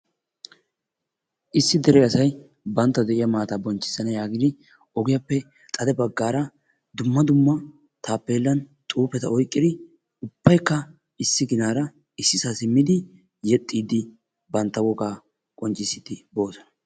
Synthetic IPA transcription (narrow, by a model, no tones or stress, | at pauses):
ʔɪsːɪd̪ɛɾɛɐsɐj | bɐnt̪ːɐd̪ɛʔɪjɐmaːt̪aːbɔnt͡ʃːɪ̥sːɐnɐjaːɡɪd̪ɪ | ɔɡɪjapːɛ | t̪ʼɐd̪ɛbɐɡːaːɾɐ | d̪ʊmːɐd̪ʊmːɐ | t̪ʰaːpːe̞ːlːɐnt̪ʼuːpɛt̪ɐɔjkʼːɪd̪ɪ | ʊbːɐjkːɐ | ɪsːɪɡɪnaːɾɐ | ɪsːɪsaːsɪmːɪd̪ɪ | jɛt̪ʼːiːd̪ɪ | bɐnt̪ːɐwɔɡaː | kʼɔnt͡ʃʼːɪsːɪt̪ɪbo̞ːsɔ̥nɐ